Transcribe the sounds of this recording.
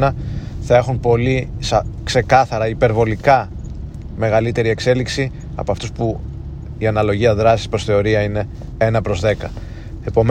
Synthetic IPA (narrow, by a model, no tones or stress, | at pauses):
nɐθɐe̞xunpo̞lisɐkse̞kɐθɐɾɐipe̞ɾvo̞likɐ | me̞ɣɐlit̪e̞ɾie̞kse̞liksi | ɐ̰po̞ɐft̪uspu | iɐnɐlo̞ʝiɐðɾɐsispɾo̞sθe̞o̞ɾiɐine̞ | e̞nɐpɾo̞zðe̞kɐ | e̞po̞m